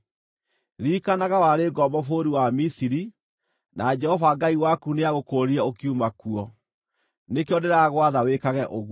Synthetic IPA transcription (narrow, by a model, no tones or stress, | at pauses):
ɾikanaɣawaɾeɡɔbɔfoɾiwamisiɾi | nʔad͡ʒɛhɔvaɡaiwakuneaɣokoːɾiaokiumakuɔ | nekeɔdeɾaɣwaðawekaɣɛʔoɣ